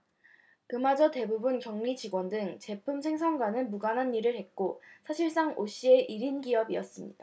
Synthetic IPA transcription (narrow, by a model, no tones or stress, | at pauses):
kɯmad͡ʑʌte̞bubunkjʌŋɲid͡ʑiɡwʌndɯŋt͡ɕe̞pʰumsʰe̞ŋsʰʌŋɡwanɯnmuɡanɦanːiɾɯɭhe̞t̚k͈osʰaɕʰiɭs͈aŋoɕ͈ie̞ʔiɾinɡiʌbiʌs͈ɯmɲid̥a